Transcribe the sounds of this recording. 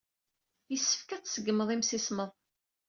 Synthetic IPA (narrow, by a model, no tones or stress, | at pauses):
jəsːə̥fkæt͡sːsəɡːəməðˤimsisməðˤ